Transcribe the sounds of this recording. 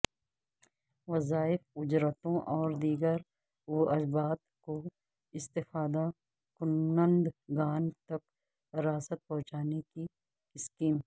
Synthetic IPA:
ʋɐzaːɪfʊd͡ʒɾət̪õʔɔːɾd̪iːɡəɾ | woʔɐzbaːt̪ko | ɪst̪ɪfaːd̪a | kʊnːə̃nd̪ɡaːnt̪ɐk | ɾaːsət̪̚pɐ̃ɦʊ̃t͡ʃaːneki | ɪskiːm

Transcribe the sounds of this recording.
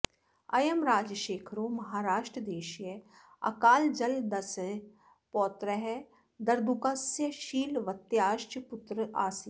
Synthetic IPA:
ɐjəmɾaːd͡ʒʃeːkʰɾoːmɐɦaːɾaːʃʈɾəd̪eːʃje | ɐ̰kaːld͡ʒɐld̪ɐs | pɔːt̪ɾəɦɛ | d̪ɐɾd̪ukaːsjəʃiːlʋɐt̪jaːʃʈpʊt̪ɾəa̰ːsi

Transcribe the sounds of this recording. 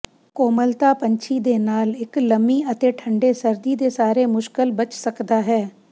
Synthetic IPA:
koːməlt̪aːpəɲt͡ʃʰiːd̪eːnaːlɪkləmiːət̪eːʈʰəɳɖeːsəɾd̪iːd̪eːsaːɾeːmʊʃkəlbət͡ʃsəkd̪aːɦɛː

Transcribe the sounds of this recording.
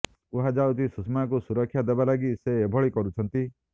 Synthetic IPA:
uɦad͡ʒawt̪ʰisusmak̬usuɾɔkʰːjad̪ebalaɡiseːbʱɔɭikɔɾut͡ʃʰɔnt̪i

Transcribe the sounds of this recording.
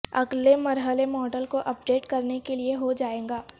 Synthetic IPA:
ɐ̰ɡlemɐɾɦəlemɔːɖəlkoʔɐp̚ɖeːʈkɐɾnekelieɦod͡ʒaːẽːŋɡaː

